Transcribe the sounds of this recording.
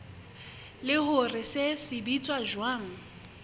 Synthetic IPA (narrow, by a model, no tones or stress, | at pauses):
lɪhʊrɪsesɪbit͡sʼwaʒwaːŋ̩